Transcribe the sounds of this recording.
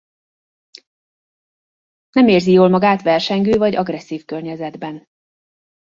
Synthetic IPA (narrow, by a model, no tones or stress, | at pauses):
nɛmeːrzijoːlmɒɡaːt̪ʋɛrʃɛŋɡøːvɒɟɒɡrɛsːiːfkørɲɛzɛd̪bɛn